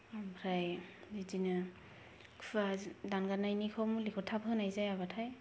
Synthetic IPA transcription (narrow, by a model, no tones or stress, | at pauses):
ambʰɾajzidinɯ | kʰfadanɡanajnikʰɔmlikʰɔtʰabʰɯnajzajaβatʰaj